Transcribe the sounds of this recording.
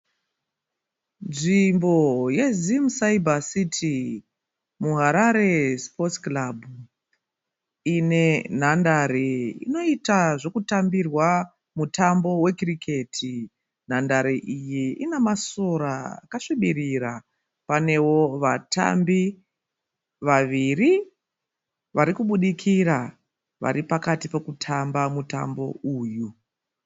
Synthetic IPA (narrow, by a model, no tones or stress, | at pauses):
nʐimbo̞je̞zimsaibʱasitʰi | muɦaɾaɾe̞spotklabʱu | ine̞n̤andaɾeḭno̞itaʐo̞kutambirwa | mutambo̞we̞krikʰe̞tʰi | n̤andaɾeʔijiinemasoɾaa̰kaʂiɓiɾiɾa | pane̞wo̞ʋata̰mbi | ʋaʋiri | ʋaɾikuɓuɗikʰiɾa | ʋa̰ɾipakatipe̞kutʰambamuta̰mbo̞̰uːju